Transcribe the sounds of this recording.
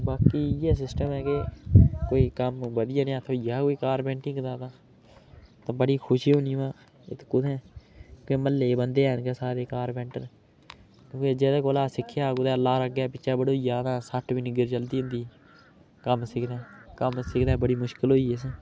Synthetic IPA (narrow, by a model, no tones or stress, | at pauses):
baːkiːjɛːs̬ɪsʈəmɛːkekoːiːkəmbəd̪ɪjaːneaːt̪ʰõːjaːkoːiːkaːɾpɛ̃ːɳʈɪŋɡd̪aːt̪ãː | t̪ãbəɽiːkʰʊʃiːɦõːniːʋãː | ɪt̪kʊd̪ɛ̃ːkeməlːeːbənd̪eːnkeːsaːɾeːkaːɾbɛ̃ːɳʈən | kõːked͡ʒeːd̪aːkoːlaːsɪkʰːjaːkʊd̪ɛːəlːaːɾəɡaːpɪʃaːbəɽoːd͡ʒaːd̪ãːsəʈʰbiniɡɪɾt͡ʃəld̪iːɦʊ̃nd̪iː | kəmsɪkʰd̪ɛːkəmsɪkd̪ɛːbəɽiːmʊʃkɪlɦoːiːəs̬ẽː